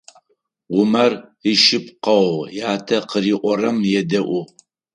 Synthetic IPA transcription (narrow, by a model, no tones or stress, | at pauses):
ʁʷʊmɐriʃɪpqɐwjaːtʰɐqəɾiːʔʷɔrɐmjɛdɐʔʷʊ